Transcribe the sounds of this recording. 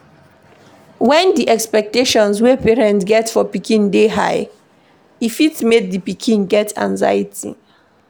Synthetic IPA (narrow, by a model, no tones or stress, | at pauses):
wɛ̃ndiʔɛkspɛk̚teʃɔ̃nswepeɹɛ̃ntsɡɛtfɔpikʰĩndeɦa̰ɪ | ifitmek̚dipikʰĩnɡɛtʰã̰nza̰jitʰḭ